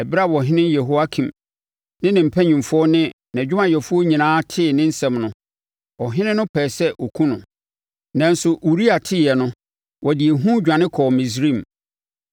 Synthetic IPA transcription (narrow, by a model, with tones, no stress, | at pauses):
ɛ˨bɪ˦ɾa˦˨wɔ˨ɦɪ̃˦nɪ̃˦jɛ˨ɦo˦a˦kʰĩ˨m | nɪ̃˦nɪ̃˨m̩˨pʰɛ˦ɲĩ˨mfʊ˦ɔ˦nɪ̃˦nã˨d͡ʑᶣʊ˦mã˨jɛ˨fʊ˦ɔ˦ɲĩ˨nãː˦tʰɪ˦˨nɪ̃˦n̩˦sɛ̃˨mnʊ̃˦ | ɔ˨ɦɪ̃˦nɪ̃˦nʊ̃˦pʰɛː˨sɛ˦ʔɔ˨kʰũ˦nʊ̃˨ | nã˨n˦sʊ˨ʔu˨ɾi˦a˨tʰɪ˦˨jɛ˨nʊ̃˦ | wɔ˨di˨e˨ɦũ˦d͡ʑᶣã˨nɪ̃˦kʰɔː˨mĩ˨s̬ɾĩ˦˨m